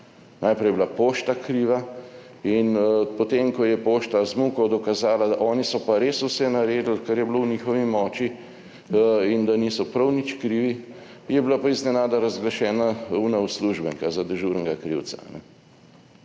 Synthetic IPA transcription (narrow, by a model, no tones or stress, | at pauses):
najpɾɛjɛblapoːʃt̪akɾiːʋa | inpɔt̪eːmkɔjɛpoːʃt̪azmukɔwd̪ɔkazaːlad̪aʔɔːnisɔpaɾeːsusɛnaɾeːd̪əlkaɾjɛblowniːxɔʋimɔːt͡ʃi | ind̪aniːsɔpɾɐwnit͡ʃkɾiːʋi | jɛbilapaiznɛnaːd̪aɾazɡlaʃɛːnaunausluːʒbəŋkazad̪ɛʒuːɾnɡakɾiw̪saa̰nɛ